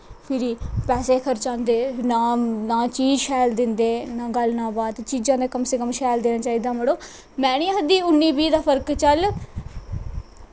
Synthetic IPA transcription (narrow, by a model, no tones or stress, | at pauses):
pʰɪɾiːpɛːseːkʰəɾt͡ʃãːnd̪eːnaːnaːt͡ʃiːd͡ʒʃʰɛːld̪ɪnd̪eːnãːɡəlnãːbaːt̪t͡ʃiːd͡ʒãːd̪eːkəmsɪkəmʃɛːld̪eːnaːt͡ʃaːiːd̪aːməɽoː | mɛ̃ːñĩːɦəd̪iːʊnːiːbiːd̪aːpʰəɾkt͡ʃəl